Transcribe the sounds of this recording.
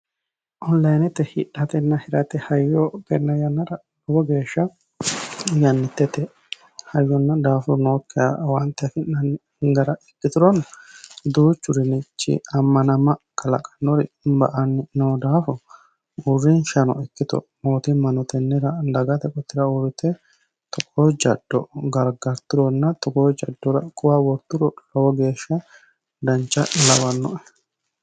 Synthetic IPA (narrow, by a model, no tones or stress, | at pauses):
ʔɔnlɐjnɛt̪ːɛhɪᶑːɐt̪ɛnːɐhɪɾɐt̪ːɛhɐjɔkɛnːɐjɐnːɐɾɐ | dɔɡɔɡeːʃːɐ | jɐnːɪt̪ːɛt̪ːɛ | hɐjːɔnːɐd̪aːfʊnoːkːɪja̰wɐnt̪ːɛfɪnːɐn | ɡɐɾɐɛkːɪt̪ʊɾɔnːɐd̪uːt͡ʃːʊɾɪnɪt͡ʃːɪ̰ɐmːɐnɐmɐkɐlɐ̰kʼɐ̥nːɔɾɪ̰bɐ̰ʔɐnnoːd̪aːfɔ | urːɪnʃɐnɔ̰ɛkːɪt̪ɔ̰moːt̪ɪmɐnɔt̪ɛnːɛɾɐlɐɡɐt̪ɛkʼɔt̪ːɪɾɐʊɾɪt̪ːɛ | t̪ɔkʼoːd͡ʒɐd̪ːɔ̰ɡɐɾɡɐɾt̪ʊɾɔnːɐt̪ɔkoːd͡ʒɐd̪ːɔɾɐ̰kʼʊwaːwɔɾt̪ːʊɾɔlɔwɔɡe̞ːʃːɐ | d̪ɐnt͡ʃːɐlɐwɐnːɔ̰ʔɛ